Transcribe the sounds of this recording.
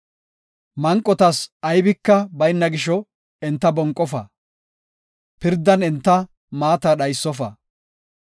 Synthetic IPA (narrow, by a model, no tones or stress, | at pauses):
mɐŋkʼːɔt̪ɐsɐjbɪkːɐbɐjnːɐɡɪʃɔ | ɪnt̪ːɐbɔŋkʼːɔfɐ̰ | pɪɾd̪ːɐnɛnt̪ːɐ | maːt̪ɐɗɐjsːɔfɐ